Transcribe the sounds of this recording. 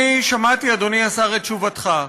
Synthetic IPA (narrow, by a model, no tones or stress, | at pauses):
iʃamat̪iad̪oniasaʁet̚t͡ʃuvat̪χa